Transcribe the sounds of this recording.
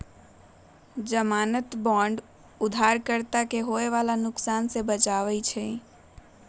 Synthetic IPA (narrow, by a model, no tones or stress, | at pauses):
d͡ʒəmanət̪bɔ̃ɳɖ | ud̪ʱaɾkəɾt̪akeɦoeʋalanʊksansebət͡ʃaʋɛt͡ʃʰɛ